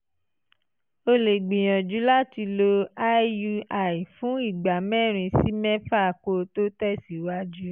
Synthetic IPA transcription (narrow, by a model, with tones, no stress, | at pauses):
o˧le˨ɡ͡bĩ˨j̃ɔ̃˨d͡ʒu˨˦la˦ti˧lo˧a˦ju˧a˨i˨fũ˨˦i˦˨ɡ͡ba˨mɛ̃˦˨ɾ̃ĩ˧si˦mɛ̃˦fa˦˨ko˧to˦tɛ˦˨si˨˦wa˦d͡ʒu˦